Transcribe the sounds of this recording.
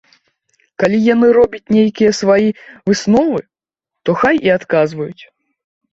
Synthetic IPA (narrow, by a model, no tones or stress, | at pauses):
kalʲijanɨɾɔbʲɐt͡sʲnʲejkʲijɐsvajivɨsnɔvɨ | t̪ɔxajʔiat̪kazvɐjut͡sʲ